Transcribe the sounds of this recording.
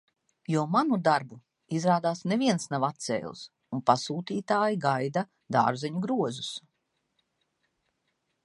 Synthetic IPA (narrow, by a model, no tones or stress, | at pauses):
juɔmanud̪aɾbu | izɾaːd̪aːsneviɛnsnavat̪sɛ̰ːlˠs | unpasuːt̪iːt̪aːjiɡajd̪a | d̪a̰ːɾzɛɲuɡɾuɔzus